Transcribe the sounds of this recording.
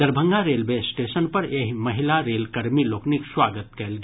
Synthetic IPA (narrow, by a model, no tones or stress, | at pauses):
d̪ɐɾbʱə̃ŋɡaɾeːlʋeːsʈeːʃənpɐɾeɦmɐɦɪlaɾeːlkɐɾmiloːknɪkswaːɡət̪̚kɛːlɡ